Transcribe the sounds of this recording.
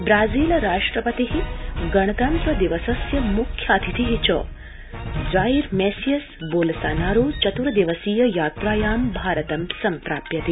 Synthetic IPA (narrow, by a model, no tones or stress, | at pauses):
bɾaːziːlɐɾaːʂʈɾɐpɐt̪iɦiɡɐɳ̃ɐt̪ɐnt̪ɾɐd̪iʋɐsɐsjɐmukʰjaːd̪ʰʱit̪iɦit͡ʃɔ̰ː | d͡ʒaːiɾmeːsijɐsboːlɐsaːnaːɾuːt͡ʃɐt̪uɾɐd̪iʋɐsiːjɐjaːt̪ɾaːjaːmbʱaːɾɐt̪ɐmsɐmpɾaːpjɐt̪i